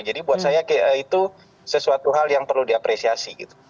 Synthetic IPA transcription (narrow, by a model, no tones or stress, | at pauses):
d͡ʒadibuat̪̚sajakəit̪u | səsuat̪uɦaljaŋpərludiapɾesiasiɡḭt̪u̥